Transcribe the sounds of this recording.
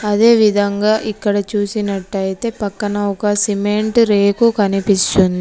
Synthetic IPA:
ɐd̪e̞ːʋid̪ʱɐŋɡaːʔikːɐɽɐt͡ʃuːsinɐʈːɐjit̪e̞ːpɐkːɐnɐɔkɐsimeɳʈɾe̞ːkukɐnipist̪und̪i

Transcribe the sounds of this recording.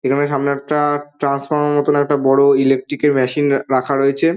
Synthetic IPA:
ekʰaneʃ̬amneɛk̚ʈaʈɾansfaɾmeɾmɔt̪onɛk̚ʈabɔɽoilek̚ʈɾikeɾmɛʃinɾakʰaɾoet͡ɕʰe

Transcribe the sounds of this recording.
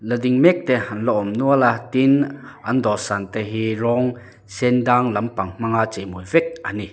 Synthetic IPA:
lɐd̪iŋmɛk̚t̪ɛhɐnlɔʔɔmnuɐlat̪inʔɐnd̪ɔsant̪ɛɦiɾɔŋ | sɛnd̪aŋlɐmpaŋm̥aŋat͡semuvɛk̚ʔani

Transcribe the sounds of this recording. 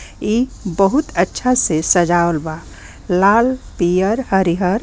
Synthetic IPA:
ibəɦut̪ətːʃʰasesəd͡ʒaolba | laːlpijəɾhəɾiɦəɾ

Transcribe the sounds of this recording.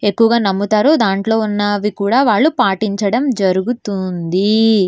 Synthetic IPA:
e̞kːuʋɐɡaːnɐmːut̪aːɾod̪aːɳʈlo̞ːunːɐʋikuːɽaːʋaːɭːupaːʈiɲt͡ʃɐɽɐmd͡ʒɐɾuɡut̪und̪i

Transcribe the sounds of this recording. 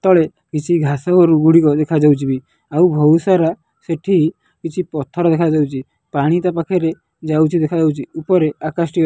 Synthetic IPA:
t̪ɔɭe | kit͡ʃʰiɡʱasaɡɔɾuɡuɽikɔd̪ekʰad͡ʒawt͡ʃʰibi | awbʱɔsaɾa | seʈʰiɦi | kit͡ʃʰipɔt̪ʰːɔɾɔd̪ekʰad͡ʒawt͡ʃʰi | paɽ̃it̪apakʰeɾe | d͡ʒawt͡ʃʰid̪ekʰad͡ʒawt͡ʃʰiupɔɾeakasʈi

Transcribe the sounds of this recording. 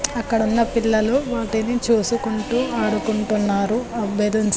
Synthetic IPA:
ɐkːɐɽunːɐpiɭːɐluʋaːʈinit͡ʃuːsukuɳʈuːaːɽukuɳʈunːaːɾuɐbʱed̪uns

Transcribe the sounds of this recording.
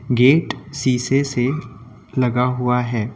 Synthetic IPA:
ɡeːʈsiːsese | lɐɡaɦʊaɦɛː

